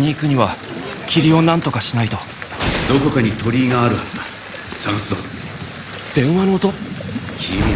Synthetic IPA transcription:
ɲiːkɯ̟ɲ̟iβa | kʲʰiɾʲio̞nãnt̪o̞kaɕinait̪o | d̪o̞ko̞kaɲ̟it̪o̞ɾʲiːɡaːɾɯ̟hazɨnã | samsɨd̪o̰ | d̪̥ẽ̞ɰ̃βanoːt̪o̞ | kʲimʲi

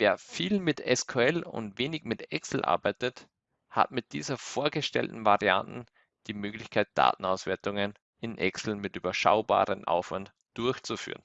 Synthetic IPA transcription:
veːɐfiːlmɪtɛskʰoɛlʊ̰ntveːnɪçmɪtɛksl̩ʔa̰ɐbaɪtət | ha̰tmɪt̚d̥iːzɐfoːɐɡəʃtɛ̰ltn̩vaʁia̰ntn̩ | d̥iːmøːɡlɪçkʰaɪt̚d̥a̰ːtn̩aʊsv̥eːɐtʊŋən | ɪnʔɛksl̩mɪtʔyːbɐʃa̰ʊba̰ːʁənʔa̰ʊfv̥ant | d̥ʊɐçt͡sufy̰ːʁən

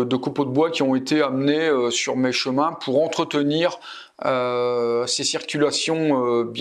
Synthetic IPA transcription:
d̪əkupod̪əbwakʲiɔ̃et̪eamneøsyʁmeʃəmɛ̃pʰuʁɑ̃t̪χət̪əniːʁ | ø | sesiʁkʲylasjɔ̃øbj

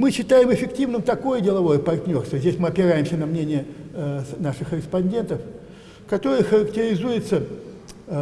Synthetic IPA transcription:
mɨɕːɪt̪ajɪmɪfʲɪktʲivnɨmt̪ɐko̞jədʲɪlˠɐvo̞jəpɐrtʲnʲo̞rst̪vəzʲesʲmɨɐpʲɪɾajɪmsʲənɐmnʲenʲɪjə | naʂɨxɾʲɪspɐnʲdʲent̪əf | kɐt̪o̞ɾɨjəxəɾəktʲɪɾʲɪzujɪt̪sə

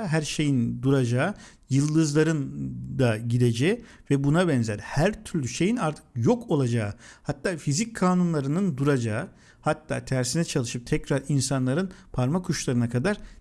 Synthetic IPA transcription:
ɦæɾʃe̞jind̪uɾad͡ʒaːɯ | jɯlˠːɯzlˠaɾɯnd̪aɟid̪ed͡ʒɛ | vɛbunabɛnzæɾhæɾt̪ʰyɾlʲyʃe̞jinaɾt̪ʰɯ̥kjo̞kʰo̞lˠad͡ʒaːɯhat̪ːaːfizic̚kʰaːnunlˠaɾɯnɯnd̪uɾad͡ʒaɯ | hat̪ʰːa̰ːt̪ʰæɾsinɛt͡ʃʰalˠɯʃɯp̚t̪ʰɛcɾaɾinsanlˠaɾɯnpʰaɾmakʰuʃlˠaɾɯnakʰad̪aɾ

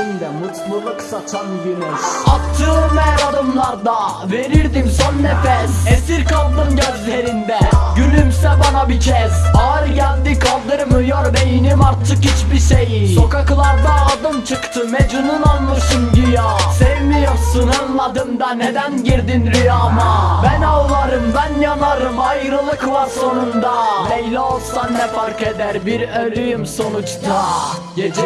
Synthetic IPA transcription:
ind̪ɛmɯt̪mulˠɯksat͡ʃʰanb̪imɛzat̪ʰːɯmɛɾad̪ɯmlˠaɾd̪aveɾiɾd̪imsonːefɛsesiɾkalˠd̪ɯmɟøzleɾind̪ɛɟylymsɛbanabit͡ʃʰɛzaɾɟænd̪ikʰalˠd̪ɯɾmɯjoɾvɛjinimaɾt̪ʰɯkit͡ʃbiʃejiso̞kakɯlˠaɾd̪aːd̪ɯmt͡ʃʰɯkt̪ʰɯmed͡ʒununanmɯʃɯmɟ̪yjasevmijoɾsɯnɯnlˠad̪ɯmd̪aned̪ænɟiɾd̪inɾyjamabænawlˠaɾɯmbænjanaɾɯmajɾɯlˠɯklˠaɾso̞nund̪aɛjlʲɛolˠsanːɛfaɾked̪æɾbiɾøɾyjymso̞nut͡ʃt̪ʰa | ed͡ʒ

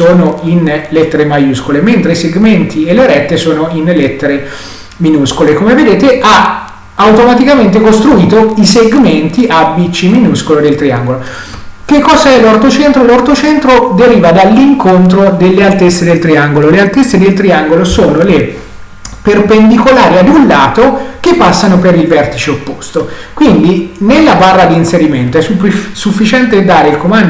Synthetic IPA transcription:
oːnoinlɛt̪ːeɾemajuskolement̪ɾeiseɡment̪ʰielːeɾɛt̪ːesoːnoinlɛt̪ːeɾe | minuskolekomeved̪eːt̪eʔa | awt̪omat̪ikament̪̬ekost̪ɾuiːt̪oiseɡment̪iʔabːit͡ʃːiminuskolod̪elt̪ɾia̰ŋɡolo | k̟ekːɔːzaɛlːort̪ot͡ʃɛnt̪ɾolort̪ot͡ʃɛnt̪ɾod̪eɾiːvad̪alːiŋkont̪̬ɾod̪elːealt̪et̪sːed̪elt̪ɾiaŋɡololealt̪et̪sːed̪elt̪ɾiaŋɡolosoːnole | perpend̪ikolaːɾiad̪unːaːt̪ok̟epːasːanopeɾilvɛrt̪i̥t͡ʃeopːo̥st̪okwind̪inelːabarːad̪iːnseɾiment̪oɛssufːit͡ʃɛnt̪ed̪aːɾeilkomand̪

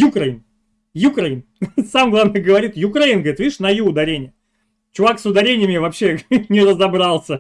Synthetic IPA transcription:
jukɾajn | jʊkɾain | samɡlˠavnəjɡəvɐɾʲit̪jʊkɾaɪnɡəvəɾʲit̪vʲiɪʂnɐjuʊd̪ɐɾʲenʲɪjə | t͡ɕʊvaksʊd̪ɐɾʲenʲɪjəmʲɪvɐpɕːenʲɪrəzɐbralˠsʲə

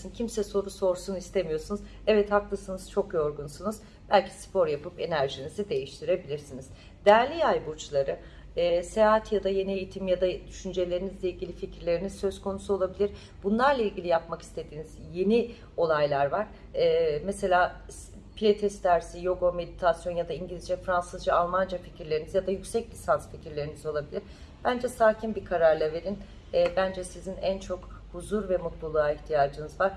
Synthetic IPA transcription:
ɯncʰimsɛso̞ɾuso̞ɾsunist̪ʰe̞mijo̞sunuz | ɛvɛt̪haklˠɯsɯnɯz̥t͡ʃʰo̞kjo̞ɾɡunsunuz | b̥ælʲcʰi̥spo̞ɾjapɯpe̞næɾʒinizid̪e̞jiʃt̪ʰiɾe̞bilʲiɾsiniz̥ | d̪æɾlʲiajbut͡ʃlˠaɾɯ | ɛːseat̪jad̪aje̞nie̞jit̪ʰimjad̪ad̪yʃynd͡ʒe̞lʲeɾinizlʲeilʲɟʲilʲificʰɾlʲe̞ɾiniz̥sø̞zkʰo̞nusuolˠabilʲiɾ | bunlˠaɾlˠailʲɟʲilʲijap̚maki̥st̪ʰe̞d̪iːniz̥je̞ni | o̞lˠajlˠaɾvaɾ̥ | ɛːmese̞lʲaː | pʰilʲet̪ʰɛsd̪æɾsijo̞ɡo̞me̞d̪it̪ʰasjo̞njad̪aiɲɟilʲizd͡ʒɛfɾansɯzd͡ʒaalˠmand͡ʒaficʰiɾlʲe̞ɾinizjad̪ajycsɛclʲisansficʰiɾlʲe̞ɾinizo̞lˠabilʲiɾ | b̥ænd͡ʒɛsaːcʰinbikʰaɾaɾlˠave̞ɾin | ɛːbænd͡ʒɛsizinænt͡ʃʰo̞khuzuɾvɛmut̪lˠulˠaiçt̪ʰijaːd͡ʒɯnɯzvaɾ̥

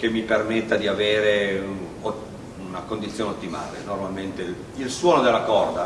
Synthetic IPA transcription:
kemːipermet̪ːad̪iaveːɾeo | unakond̪it̪sːjoːneot̪ːima̰ːlenormalment̪e | ilswɔːlod̪elːakɔrd̪a

